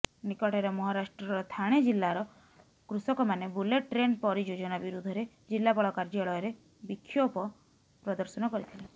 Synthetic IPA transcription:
nikɔʈʰeɾɔmɔɦɔɾasʈɾɔɾɔt̪ʰaɽ̃ed͡ʒilːaɾɔ | kɾusɔkɔmanebuleʈʈɾenpɔɾid͡ʒod͡ʒɔnabiɾud̪ʱɔɾe | d͡ʒilːapɔɭɔkaɾd͡ʒɔɭɔjɔɾe | bikʰːjɔpɔ | pɾɔd̪ɔɾsɔnɔkɔɾit̪ʰili

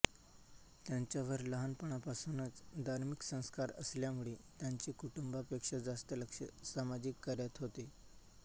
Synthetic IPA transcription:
t̪jaɲt͡ɕjaʋəɾləɦanpəɳapasunat͡sd̪ʱaɾmiksə̃w̃skaɾə̰sljamuɭet̪jaɲt͡ɕiːkuʈumbapekʂad͡zast̪ələkʂəsamad͡ʑikːəɾjat̪ɦot̪e

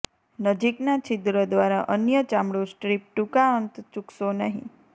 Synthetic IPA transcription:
nəd͡ʒiknat͡ʃid̪ɾəd̪ʋaɾaʔənjət͡ʃãmɽũsʈɾip̚ʈukaənt̪t͡ʃuksonəɦḭ̃

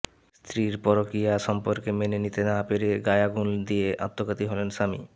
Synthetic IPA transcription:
st̪ʰɾiɾpɔɾokɾijaʃɔmpoɾkemenenit̪enapeɾeɡajaɡuld̪ieʔa̰t̪ːokat̪iɦɔlenʃamḭ

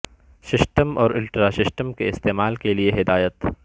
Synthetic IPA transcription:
sɪsʈəmɔːɾɪlʈɾasɪsʈəmkeɪst̪eːmaːlkelieɦɪd̪aːjət̪

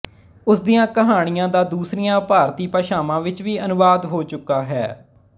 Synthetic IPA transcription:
ʊsd̪ɪjãːkəɦaːɽ̃ɪjãːd̪aːd̪uːsɾɪjãːpaːɾt̪iːpəːʃaːmãːʋɪt͡ʃʋiːʔənʊʋaːd̪ɦoːt͡ʃʊkːaːɦɛ̰ː

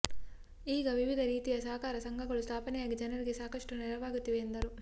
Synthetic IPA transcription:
iːɡɐʋiʋid̪ʱɐɾiːt̪ijɐsaːkaːɾɐsɐŋɡʱɐɡɐɭust̪ʰaːpɐnɐjaːɡid͡ʒɐnɐɾiɡisaːkɐʂʈɐniɾɐʋaːɡut̪iʋeːnd̪ɐɾu

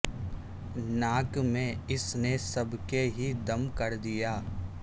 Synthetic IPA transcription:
naːkmẽɪsnesɐbkeɦid̪ɐmkɐɾd̪ijaː

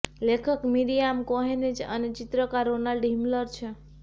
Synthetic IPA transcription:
lekʰəkmiɾijamkoɦened͡ʒə̰net͡ʃit̪ɾəkaɾonaɖimləɾt͡ʃʰe

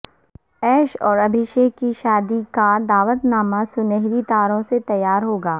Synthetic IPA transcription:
ɛːʃɔːɾɐbʱɪʃeːkiʃaːd̪ikad̪aːʋət̪naːmasʊneɦɾit̪aːɾõset̪ɐjːaːɾɦoːɡaː

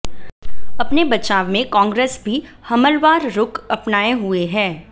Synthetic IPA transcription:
ɐpnebɐt͡ʃaːʋmẽkɔ̃ːŋɡɾeːsbʱihɐməlʋaːɾɾʊkɐpnaːeɦueɦɛ̃ː

